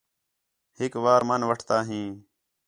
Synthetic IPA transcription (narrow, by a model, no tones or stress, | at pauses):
hɪkʋaːɾmənʋəʈʰt̪aːɦĩː